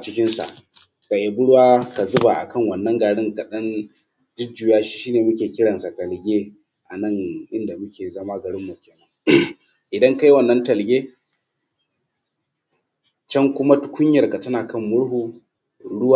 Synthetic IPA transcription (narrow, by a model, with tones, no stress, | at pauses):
ʔa˨t͡ʃɪ˦kʲɪ˦nsa̰˨ʔ | ka˨ʔe˨bʊ˦ɽwaː˦ka˨zʊ˦ba˨ʔa̰˨kɐ˦˨ŋwɐ˨nːɐ˦ŋɡaː˨ɽɪ˦ŋka˨ɗɐ˦n | d͡ʒɪ˦d͡ʒu˨jaː˦ʃi̥ː˦ʃiː˦neː˨mʊ˦kʲeː˨kʲɪ˦ɽɐ˨nsa˨tɐ˨lɡʲeː˦ | ʔa˨nɐ˦˨ŋʔɪ˦nda˨mʊ˦kʲeː˨zɐ˦ma˦ɡɐ˨ɽɪ˦mːu˨kʲeː˨nɐ˦ŋ˦ | ʔɪ˨dɐ˦ŋka˦jwɐ˨nːɐ˦ntɐ˨lɡʲeː˦ | t͡ʃɐ˦ŋkʷʊ˦ma˦tʊ̥˦kʷʊ˦ɲjɐ˨rka˨tɐ˦naː˨kɐ˦˨mːʊ˦ɽɦuː˦˨ | ɽʊ˦waː˦˨